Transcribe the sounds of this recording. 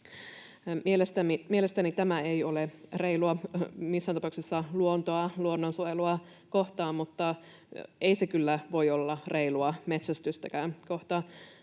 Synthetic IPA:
mielest̪æmimiele̞st̪ænit̪æmæejolereiluɑmisːæːnɑpɑˑuksisːɑluont̪oɑluonːonsuojeluɑ | ko̞ht̪ɑːmmut̪ːɑ | eisekylːæʋo̞jolːɑrʔe̞iluɑme̞t̪sæst̪yst̪ækæːnko̞ht̪ɑː

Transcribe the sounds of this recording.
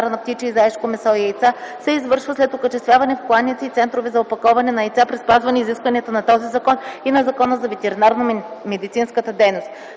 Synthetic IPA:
aɾnɐpt̪it͡ʃiizɐɛʃkomɛsɔiɛjt̪sasɛizvɤɾʃvəslɛt̪okət͡ʃɛst̪vʲjavɐnɛfklˠanːit̪siːt̪sɛnt̪ɾovɛzɐopɐkɔvɐnɛnɐɛjt̪sapɾispazvɐnɛiziskvɐniɛt̪ənɐt̪ɔzizɐkɔninɐzɐkɔnəzɐvɛt̪ɛɾinaɾnomɛd̪it̪sinskət̪əd̪ɛjnost̪

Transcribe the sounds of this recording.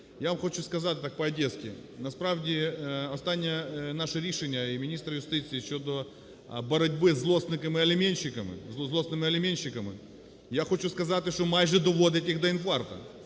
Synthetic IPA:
javɐmxot͡ɕuskɐzat̪ʲt̪ak̚pɐɐdʲeskʲɪ̰nɐspɾavdʲɪɐst̪anʲːɪənaʂɨɾʲiʂɨnʲəimʲɪnʲist̪ɾɐjʊst̪ɨt̪sɨɪt͡ɕːod̪o | bɐɾɐdʲbɨzlˠosnɨkɐmɨɐlʲɪmʲenʲɕːɪkɐmɨ̰zˠzlˠosnɨmɨɐlʲɪmʲenʲɕːɪkɐmɨ̰ | jaxot͡ɕuskɐzat̪ʲɪʂomajʐɨd̪ɔʋod̪ɛtʲɪɣd̪ɐɪnfart̪ɐ̰

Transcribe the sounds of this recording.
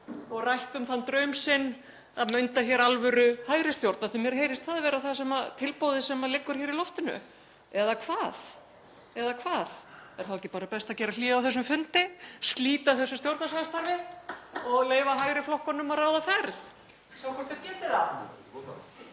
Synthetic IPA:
ɔɣrajht̪ʏmθant̪ɾœɥmsɪnː | a̰ðmʏɥnt̪açɛɾalvʏɾʏhaːjɾɪst̪jowɾt̪naθɛmjɛɾɦeːjɾɪst̪θaðvɛːɾaθasɛmat̪ʰɪlpowðɪsɛmalɪkːʏɾ̥çɛːɾilɔft̪ɪnʏ̰ | ɛðakʰvaːð | ɛðakʰvaːθɛɾ̥θawɛcːɪpaːɾapɛst̪acɛːɾaliːawθɛsːʏmfʏnt̪ɪst̪liːt̪aθɛsːʏst̪jowɾt̪nasanst̪aɾvɪ | ɔɣleːjvaɦajɾɪflɔhkɔnːʏmaraːwðafɛɾð | sawkʰvɔt̪ɛɾcɛːt̪ɪða

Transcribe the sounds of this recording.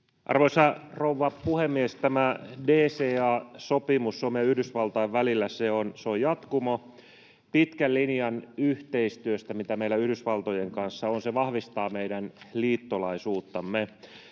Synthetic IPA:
ʔɑ̰rʋoisɑrouʋːɑpuhemːiest̪æmædeːseːɑːsopimusːomeæyhdysʋɑlt̪ɑːʋʋælilːæseonseojɑt̪kumo | pit̪kællinjɑnyht̪eist̪yøst̪æmit̪æmeilæyhɾysʋɑlt̪ojeŋkɑnsːɑonseʋɑhʋist̪ɑːmeidænliːt̪ːolɑisuːt̪ːɑmːe

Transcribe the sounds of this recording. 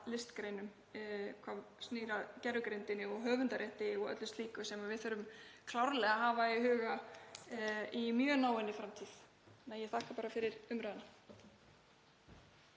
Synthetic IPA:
lɪst̪kɾeːjnʏm | kʰvaːvsniːɾaðcɛɾʏkɾejnt̪ɪnɪɔɣɦœːvʏnt̪aɾʔɛht̪ɪɔɣœ̰t̪lʏst̪liːkʏsɛmavɪðθfœɾʏmkʰlawɾlɛɣaɦaːvaiɦʏːɣa | imjœːnaːwɛnɪfɾamt̪ʰið | nːajɛθʰahkapaːɾafɪɾɪɾʏmɾœðna

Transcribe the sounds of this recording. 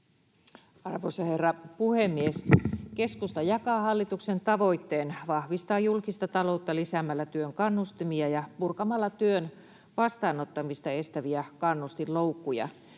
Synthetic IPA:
ɑrʋoisɑherːɑpuhemːieske̞skust̪ɑjɑkɑːhɑlːit̪ukse̞nt̪ɑʋo̞it̪ːeːnʋɑhʋist̪ɑːjulkist̪ɑt̪ɑlo̞t̪ːɑlisæmælːæt̪yøŋkɑnːust̪imiɑjɑpurkɑmɑlːɑt̪yøn | ʋɑst̪ɑːnot̪ːɑmist̪ɑe̞st̪æʋiækɑnːust̪illo̞ukːujɑ̰

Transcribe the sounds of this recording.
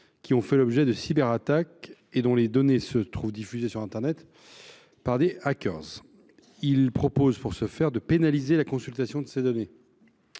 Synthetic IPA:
kʲiɔ̃fɛlɔbʒɛd̪əsibɛʁat̪ak | ed̪ɔ̃led̪ɔnesət̪χuvd̪ifyzesyʁɛ̃t̪ɛʁnɛt̪ | paʁd̪eakʲœ̰ʁz | ilpχɔpozpuʁsəfɛʁd̪əpenalizelakɔ̃sylt̪asjɔ̃d̪əsed̪ɔne

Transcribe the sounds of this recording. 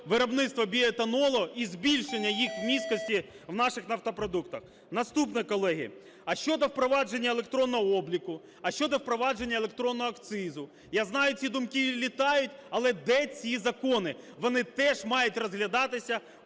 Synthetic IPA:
ʋɪɾɔbnɪt̪st̪ʋɔbʲiet̪ɐnɔlˠɔizbʲilʲʃenʲːɐjixwmʲiskɔsʲtʲi | wnɑʃɪxnɐwt̪ɔpɾɔd̪ukt̪ɐx | nɐst̪upnɛkɔlˠɛɦʲḭ | ɐʃt͡ʃɔd̪ɔwpɾɔʋɑd͡ʒe̞nʲːɐelˠek̚t̪ɾɔnːɔɦɔɔblʲikʊ | ɐʃt͡ʃɔd̪ɔwpɾɔʋɑd͡ʒe̞nʲːɐelˠek̚t̪ɾɔnːɔɦɐkt̪sɪzʊ | jaznɑjʊt͡sʲid̪ʊmkɪlʲit̪ɑjʊtʲɐlˠɛd̪ɛt͡sʲizɐkɔnɪʋɔnɪt̪ɛʒmɑjʊtʲrɔzɦlʲɐd̪ɑt̪ɪsʲɐ

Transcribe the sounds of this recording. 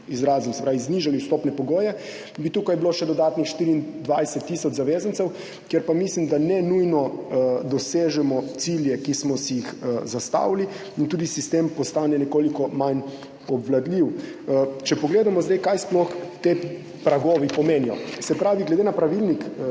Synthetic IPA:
izɾaːzɔmsɛpɾaːʋizniʒaliust̪oːpnɛpɔɡoːjɛ | bit̪uːkajbiloʃɛd̪ɔd̪aːt̪nixʃt̪iːɾind̪ʋajsɛt̪ːisɔt͡ʃzaʋeːzant̪sɛw | kjɛɾpamislimd̪anɛnujnɔd̪ɔseːʒɛmɔt̪siljɛkismɔsijixzast̪a̰ːwli | int̪uːd̪isist̪empɔst̪aːnɛnɛkoːlikɔman | ɔbʋlad̪liw | t͡ʃɛpɔɡleːd̪amɔzd̪ajkajsplɔxt̪e | pɾaɡoːʋipɔmeːnijɔ̰sɛpɾaːʋiɡlɛd̪enapɾaʋilnik

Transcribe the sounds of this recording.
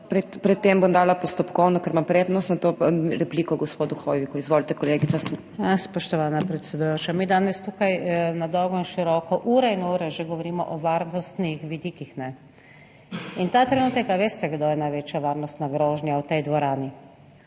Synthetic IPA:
pɾɛpɾɛt̪ːembomd̪aːlapɔst̪ɔpkɔwnɔkəɾmampɾeːd̪nɔst̪nat̪oɾɛpliːkɔɡɔspoːd̪uxojʋikuizʋoːlt̪ɛkɔleːɡit̪as | jaspɔʃt̪ɔʋaːnapɾɛt̪sɛd̪ujoːt͡ʃamid̪aːnɛst̪ukajnad̪ɔwɡɔinʃiɾɔkɔʔuːɾɛinuːɾɛʒeɡɔʋɔɾiːmɔ̰ʔɔʋaɾnɔst̪nixʋid̪iːkixnɛ | int̪at̪ɾɛnuːt̪ɛkaʋeːst̪ɛɡd̪oːjɛnajʋeːt͡ʃjaʋaɾnɔst̪naɡɾoːʒnjawt̪ɛjd̪ʋɔɾaːni

